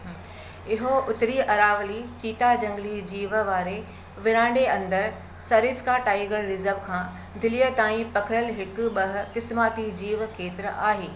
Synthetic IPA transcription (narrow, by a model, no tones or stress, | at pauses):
ɪɦoʊt̪ɾiʔɐɾaːʋlit͡ɕiːt̪ad͡ʑɐ̃ŋɡlid͡ʑiːʋəʋaːɾe | ʋɪɾãːɳɖeɐ̃nd̪əɾ | sɐɾɪːskaʈaːiɡəlɾɪzəɾʋkʰãː | d̪ʱɪlijət̪aːĩpɐkʰɪɾəlɦɪkɓɐɦʊ̆kɪsmaːt̪id͡ʑiːʋkʰeːt̪ɪɾəaːɦeː